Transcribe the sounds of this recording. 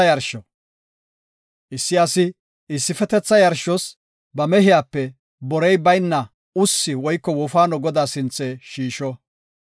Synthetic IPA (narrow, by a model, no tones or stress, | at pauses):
ɐjɐɾʃɔ | ʔɪsːɪɐsɪ | ɪsːɪfɛt̪ɛt͡sːɐjɐɾʃɔs | bɐmɛɦɪjaːpːɛ | bɔɾɛjbɐjnːɐ | ʊsːɪwɔjkːɔwɔfaːnɔɡɔd̪aːsɪnt͡sːeːʃiːʃɔ